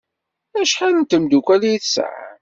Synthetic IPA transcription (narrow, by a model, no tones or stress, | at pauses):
æʃħalənt̪əmd̪ukʷæljiθsʕa̰